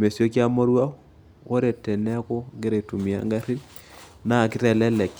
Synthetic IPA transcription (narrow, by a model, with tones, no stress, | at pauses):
me˨sjo˦k̬ja˦mo˦ɾwa˦ | wʔo˦ɾe˨tɛ˨nɛ˦a˦kɔ˦ɡe˦ɾe˨tu˨mi˨a̰˨˦ŋɡa˦ɾi˦l | na˨kɪ˦tɛ˨lɛ˦lɛ˨k